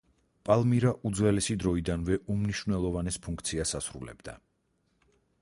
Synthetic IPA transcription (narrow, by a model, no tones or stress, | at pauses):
pʼalˠmiɾaʔud̪zwɛlɛsid̪ɾɔid̪anvɛʔumniʃvnɛlˠɔvanɛspʰuŋkʰt̪sʰiasasɾṵlɛ̰bd̪a̰